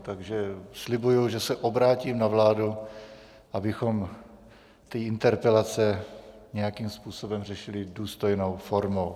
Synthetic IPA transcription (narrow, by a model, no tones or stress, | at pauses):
t̪aɡʒɛslɪbujuʒɛsɛʔobɾaːciːmnavlaːdu | ʔabɪxo̞m | t̪iːʔɪnt̪ɛɾpɛlat͡sɛɲɛjakiːmspuːso̞bɛmrɛʃɪlɪduːst̪o̞jno̞wfo̞ɾmow